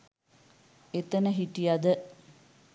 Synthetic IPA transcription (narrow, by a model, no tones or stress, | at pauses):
et̪ənəɦiʈijad̪ə